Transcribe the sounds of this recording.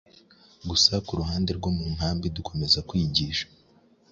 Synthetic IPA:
ɡusakuɾuɦaːnde̞ɾɡo̞mum̥haːmbiduko̞me̞zakwiːɟiːʃḁ

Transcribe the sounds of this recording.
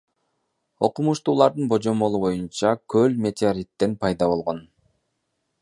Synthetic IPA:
o̞qumuʃt̪uːlˠɑɾd̪ɯnbo̞d͡ʒo̞mo̞lˠuβo̞junt͡ʃɑkʰølmʲe̞t̪ʲeoɾʲit̪ːe̞npɑjd̪ɑβo̞lˠʁo̞n

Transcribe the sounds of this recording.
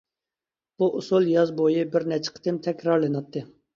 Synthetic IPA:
b̥uʔusulˠjɑzbojibɪɾnɛt͡ʃʰɪ̥qʰə̥t̪ɪmt̪ʰɛkʲɾɑɾlˠɨnɑt̪ʰːɨ

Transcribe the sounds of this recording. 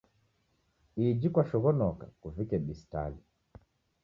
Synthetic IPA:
id͡ʒikwaʃɔɣɔnɔka̰kuvikɛɓista̰li

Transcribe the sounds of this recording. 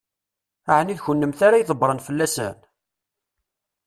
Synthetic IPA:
aʕniðçənːəmθaɾajðˤəbɾˤənfəlːæsæ̰n

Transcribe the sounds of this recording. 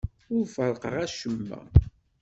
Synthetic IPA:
ʊɾfəɾˤqəʁæʃəmːæ̰

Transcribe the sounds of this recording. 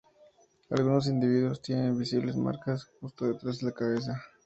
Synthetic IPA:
a̰lɣuno̞s̬ind̪iβ̞iðwo̞st̪je̞ne̞nbisiβle̞zma̰ɾkasxust̪oðet̪ɾazðelakaβes̬a

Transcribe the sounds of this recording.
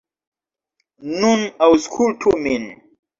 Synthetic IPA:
nunawskʰultʰumin

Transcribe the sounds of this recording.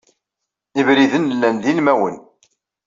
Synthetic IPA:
ivɾiðənːəlːænðilmæwən

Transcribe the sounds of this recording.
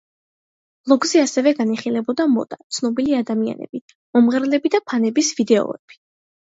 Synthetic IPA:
b̥lˠɔɡzɛasɛvɛɡaniχilɛbɔd̪amɔ̰t̪ʼat̪sʰnɔbiliad̪amia̰nɛ̰b̥i | mɔmʁɛɾlɛbid̪apʰanɛbisvid̪ɛɔ̰ɛb̥i̥

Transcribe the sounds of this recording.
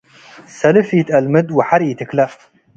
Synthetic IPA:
sɐlɨfitʼɐlmɨdwɪħaɾitʰɨkʰlɐ

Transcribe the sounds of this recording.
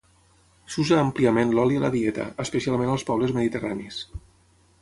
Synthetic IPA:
suzaːmpliəmẽnlɔliələ̰ðiɛt̪ə̰əspəsialˠmẽnəlˠspɔβləzməðit̪əranis

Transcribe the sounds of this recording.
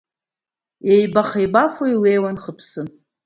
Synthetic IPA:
ejbaχajbafoilejwanχəpʰsɨ

